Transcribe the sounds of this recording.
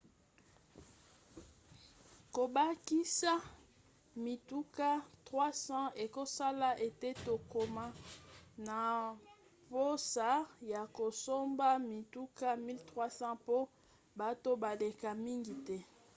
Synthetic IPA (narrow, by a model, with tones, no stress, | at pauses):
ko˨ba˦ki˦sa˦ | mi˨tu˦ka˦tʁwa˦sɑ̃˦e˨ko˦sa˦la˦ʔe˨te˦to˨ko˨ma˦na˨ | po˦sa˦ja˨ko˨so˦mba˦mi˨tu˦ka˦mi˦ltʁwa˦sɑ̃˦po˦ | ba˨to˦ba˨le˨ka˨mi˦ŋɡi˨tɛ˦